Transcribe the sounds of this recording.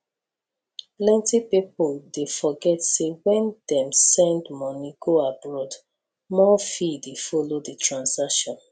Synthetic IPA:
plɛ̃ntipipɔldefɔɡɛtsewɛ̃ndɛ̃msɛ̃ndmɔ̃niɡoabɹɔd | mɔfidefɔloditʰɹãnsakʃɔ̃n

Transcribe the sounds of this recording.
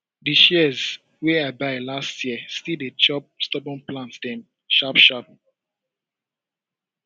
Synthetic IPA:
diʃɛz | wɛabaɪlastʰjistildet͡ʃɔp̚stɔbɔ̃nplãntdɛ̃m | ʃapʃap̚

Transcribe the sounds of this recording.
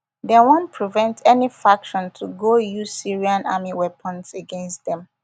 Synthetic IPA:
dɛwɔ̃npʰɹivɛ̃ntʰɛnifakʃɔ̃ntʰuɡojuzsiɹiãnʔamiwɛpʰə̃nseɡɛ̃nst̚dɛ̃m

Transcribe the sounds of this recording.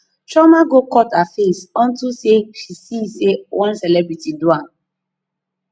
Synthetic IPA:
t͡ʃɔmaɡokɔtafesɔ̃ntusepisisewʔɔ̃nsɛlɛbɹitiduãm

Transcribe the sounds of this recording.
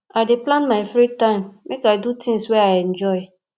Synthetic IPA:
adɪplãnmaɪfɾitãɪ̃mːekajdutʰĩŋswɛajɛ̃nd͡ʒɔɪ

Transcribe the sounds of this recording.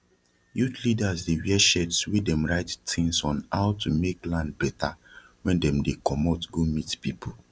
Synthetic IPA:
jutlidazdewɛʃɛtswidɛ̃mɹaɪttʰĩŋsɔ̃naʊtumeklãnd̚bɛta | wɛ̃ndɛ̃mdekʰɔmɔtɡomitpipo

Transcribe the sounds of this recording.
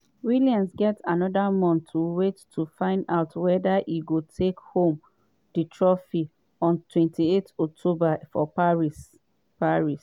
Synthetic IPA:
wiliãnsɡɛtanɔdamɔ̃nʰːuwetːʰ | ufãɪ̃ndaʊtwɛdaʔiɡotʰekhõm | d̥itʰɹɔfi | ɔ̃ntʰwɛ̃ntietɔk̚tʰobafɔpaɹis | paɹis

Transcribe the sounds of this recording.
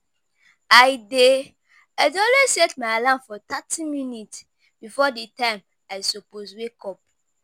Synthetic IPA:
ajde | azɔlesetmaalãnfɔtatʰĩminit | b̥ifɔditãɪ̃m | aɪsoposwekɔp̚

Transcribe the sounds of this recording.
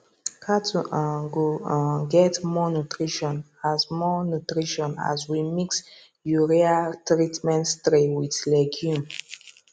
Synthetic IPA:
kʰatʰuaɡoɡɛtmɔnutʰɹiʃɔ̃n | azmɔnutɹiʃɔ̃na̰zwimiks | juɹeatɹitmɛ̃nstɾewiðlɛɡjũm

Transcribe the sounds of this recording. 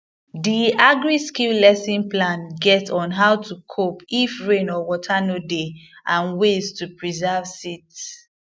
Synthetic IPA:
diaɡɹiskillɛsĩnplãnɡɛtɔ̃nɦawtʰukʰopifɹẽnɔwɔtʰanodeãnwestupɹizavsit

